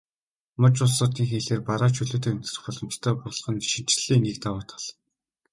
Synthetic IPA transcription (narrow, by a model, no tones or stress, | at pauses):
mʊt͡ɕʊɮsʊːt̪iːŋxeːɮeːrpaɾaːt͡ɕʰɵɮoːt̪ʰeːɵn̥t͡s̪rɘ̆χpɔɮɞ̆m̥t͡ɕʰt̪ʰœːpʊɮ̆χə̆nʃĭn̥t͡ɕɮiːnik̚t̪awaːt̪ʰḁɮ